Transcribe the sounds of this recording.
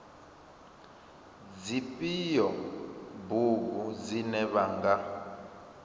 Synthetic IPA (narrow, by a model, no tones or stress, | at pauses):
d͡zipʼijɔbuβud͡zinɛβaŋɡa